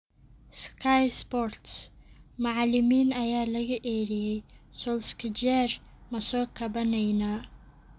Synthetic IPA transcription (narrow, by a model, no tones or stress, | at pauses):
skʰajspɔrt̪smɑʕɑlɪmiːnɐjaːlɐɣɐʔɛːɾɪjɛjsɔlskʰɐd͡ʒɛːr | mɐsɔːkʰɐbɐnɛjnaː